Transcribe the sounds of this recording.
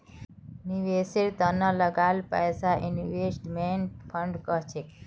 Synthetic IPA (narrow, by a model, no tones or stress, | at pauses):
niʋesiɾt̪ənãləɡalpə̰jsaʔiniʋeʃʈmenʈpʰəɳɖkəɦt͡ʃʰek